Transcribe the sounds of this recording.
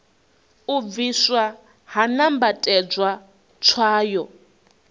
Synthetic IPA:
ub̪viswa | ɦanambatʼɛd͡zwa | t͡ʃʰwaːjɔ

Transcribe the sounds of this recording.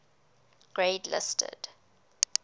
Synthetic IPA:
ɡ̥ɹeɪdlɪ̰stʰə̰d̥

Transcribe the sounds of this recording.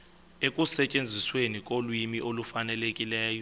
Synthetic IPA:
ekʼusɛt͡ʃʼend͡zʱiswenikʼolwimiʔolufanɛlekʼilɛːjɔ

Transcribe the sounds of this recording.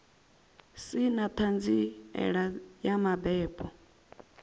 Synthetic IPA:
sinat̪ʰand͡ziɛ̰ɺajamabɛːpʰʼɔ

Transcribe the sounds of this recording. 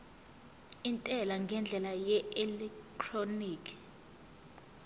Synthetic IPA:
intʼɛlaŋɡʱɛnd͡ɮʱɛlajɛɛlɛktʰroniːkʰi̥

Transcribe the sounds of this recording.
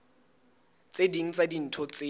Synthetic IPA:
t͡sʼediŋ̩t͡sadin̩tʰɔt͡se

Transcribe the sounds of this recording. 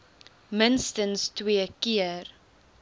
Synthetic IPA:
mənstənstwiəkiər

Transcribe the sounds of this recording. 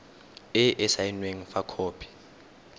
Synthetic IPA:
ɪʔɪsainweŋ̩fakʰoːpʰi̥

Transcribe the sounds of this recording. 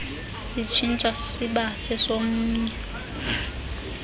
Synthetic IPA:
sit͡ʃʰint͡ʃʼasiɓasɛsomuɲɛ

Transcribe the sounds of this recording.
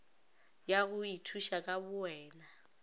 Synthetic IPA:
jaɣʊitʰuʃakʼabʊɛːna

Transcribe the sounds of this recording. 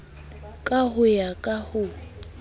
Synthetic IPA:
kʼaɦʊjakʼahʊ

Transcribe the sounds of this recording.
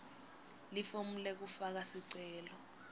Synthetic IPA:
lifom̩lɛk̬ufak̬asiǀɛːlɔ

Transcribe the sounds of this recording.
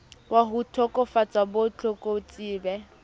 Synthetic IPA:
waɦutʰɔkʼɔfat͡sʼabot͡ɬʰɔkʼot͡sʼiːbɛ

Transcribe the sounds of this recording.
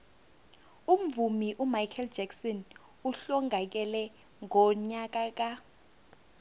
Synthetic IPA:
um̩vumiʔumajkʰɛld͡ʒɛksɔn | uɬɔŋʱak̬ɛlɛ | ŋɔɲak̬ak̬a

